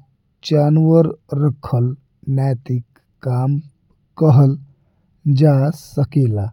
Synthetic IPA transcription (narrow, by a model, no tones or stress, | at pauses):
t͡ɕanʋəɾɾəkʰəl | nat̪ikː | am | kəɦəl | d͡ʒasəkela